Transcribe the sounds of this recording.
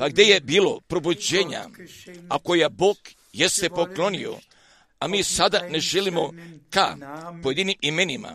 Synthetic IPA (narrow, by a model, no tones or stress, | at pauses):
paɡd̪e̞jebiːlo̞pɾo̞bud͡ʑeːɲa̰akojaboːk | jest̪epo̞klo̞nḭo̞̰ | amiːsad̪ane̞ʒelimo̞ka̰poje̞d̪inimimenima̰